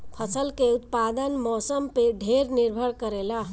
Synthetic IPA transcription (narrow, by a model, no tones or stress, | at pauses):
pʰəsəlkeut̪pad̪ənmɔsəmpeɖʱeɾniɾbʱəɽkəɾela